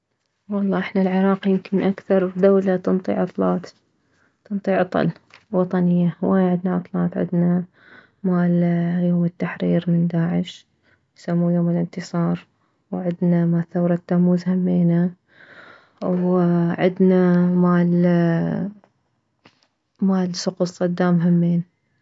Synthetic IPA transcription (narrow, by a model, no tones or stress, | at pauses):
wɑlˤːɑːʔɪħnalʕɪɾˤɑːqjɪmkɪnʔakθɑɾˤd̪awlat̪ɨnt̪ˤḭʕʔɑt̪ˤlɑːt̪ | t̪ɨnt̪ˤiːʕɑt̪ˤɑ̰lwɑt̪ˤɑnɪjːahwʔaːjaʕɪd̪naʔɑt̪ˤlɑːt̪ˤʕɪ̰d̪na | maːljoːmɪt̪ːaħɾiːɾmɪnd̪aːʕɪʃ | jsamːuːjoːmɪlɪnt̪ɨsˤɑːɾˤ | wʕɪd̪namaːlθawɾˤɑt̪ːamːuːzhamːeːna | wʕɪ̰d̪namaːl | maːlsʊqʊssˤɑd̪ːaːmɦamːeːn